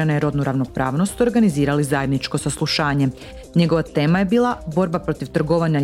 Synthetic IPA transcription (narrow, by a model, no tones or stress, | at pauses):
anajeɾo̞d̪nuɾaʋno̞pɾa̰ːʋno̞st̪o̞ɾɡaniziːɾalizajed̪nit͡ʃko̞saslˠuʃaːɲe̞ | ɲe̞ɡo̞ʋat̪e̞ːmaje̞biːlˠabo̞ɾbapɾo̞t̪iʋt̪r̩ɡo̞ʋaɲa